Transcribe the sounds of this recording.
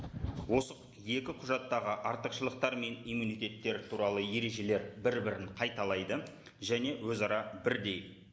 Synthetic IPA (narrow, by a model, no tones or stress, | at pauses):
wo̞sə | je̞kʲɪqʰʊʒɑt̪ːɑʁəʔɑɾt̪əqʃəlˠəq̚t̪ɑɾme̞nijmunijt̪e̞t̪ːe̞ɾɪt̪ʰuɾɑlˠəje̞ɾe̞ʒe̞le̞ɾbɪɾbɪɾɪɴqʰɑjt̪ɑlˠɑjd̪ə | ʒæne̞wɵzɑɾɑbɪɾd̪e̞j